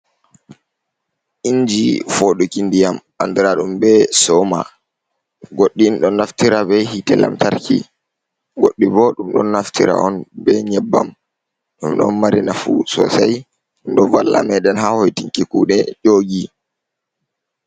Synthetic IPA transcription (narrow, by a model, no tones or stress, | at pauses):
ʔiɲd͡ʒifoɗukindijam | andiɾaɗumbɛsɔma | ɡoɗːinɗɔnːaftiɾabɛhitɛla̰mtaɾkʰḭ | ɡoɗːibɔɗumɗɔnːaftʰiɾa̰ɔnbɛɲɛbːa̰m | ɗumɗɔ̰nmaɾinafusɔ̰saj | ndɔvalːa̰mɛɗɛnɦahojtiŋkikuɗɛd͡ʒoːɡi